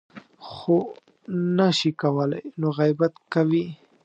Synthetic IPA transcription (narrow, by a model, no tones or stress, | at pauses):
xo | naʃikawəla̰jnoɣajbat̪kawi